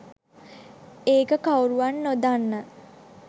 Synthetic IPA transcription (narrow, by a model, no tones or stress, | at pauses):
eːkəkawɾuʋanːod̪anːə